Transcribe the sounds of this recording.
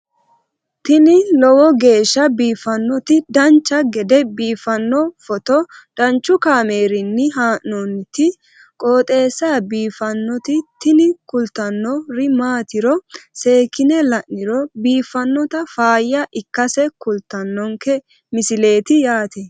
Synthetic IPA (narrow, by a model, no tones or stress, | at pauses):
t̪ɪnɪlɔwɔɡe̞ːʃːɐbiːfɐnːɔt̪ɪd̪ɐnt͡ʃːɐɡɛd̪ɛbiːfɐnːɔfɔt̪ɔd̪̥ɐnt͡ʃːʊkaːme̞ːɾɪnːɪɦaːʔnɔnt̪ɪ | kʼoːt̪ʼe̞ːsːaːbiːfɐnːɔt̪ɪt̪ɪnɪkʊlt̪ɐnːɔɾɪmaːt̪ɪɾɔse̞ːkɪnɛlɐʔnɪɾɔbiːfːɐnːɔt̪ɐfaːjːɐʔɪkːɐsɛkʊlt̪ːɐnːɔŋkɛ | mɪsɪle̞ːt̪ɪjaːt̪ɛ